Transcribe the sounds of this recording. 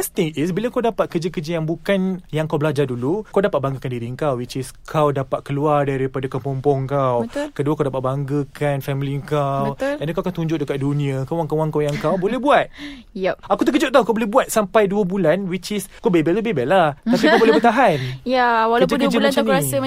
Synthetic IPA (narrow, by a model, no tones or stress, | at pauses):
əst̪ɪŋisbilakawdapat̪̚kəd͡ʒəkəd͡ʒəjaŋbukanjaŋkawbəlad͡ʒardulukawdapat̪̚baŋɡəkandiɾiəŋkawwit͡ʃɪskʰawdapat̪̚kəluardaɾipadakəmpɔmpɔŋkawt̪kəduakawdapat̪̚baŋɡəkʰanfɛmiliəŋkaəldankawakawt̪uɲd͡ʒʊʔ̚dəkat̪̚dunĩakawaŋkawaŋkawjaŋkawbolɛhbuat̪̚ | jɛp̚akut̪ək̬əd͡ʒʊʔ̚t̪akawbolɛhbuat̪̚sampajduəbulanwit͡ʃɪskawbebɛlt̪ubebɛlaht̪apikkawbolɛhbət̪aɦanjawalkd͡ʒəkd͡ʒəlat͡ʃanaə